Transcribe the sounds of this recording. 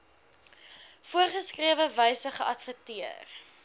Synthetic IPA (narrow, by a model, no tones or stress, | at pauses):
fuərχəskriəvəvəjsəχəʔɐtfətiər